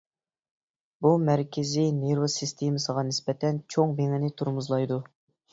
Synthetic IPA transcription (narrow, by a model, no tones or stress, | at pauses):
bumæɾkʲʰɪzineɾosist̪ʰemɨsəʁɑnɪspɛt̪ʰɛnt͡ʃʰoŋbeŋɪnɪt̪ʰuɾmuzlˠɑjd̪u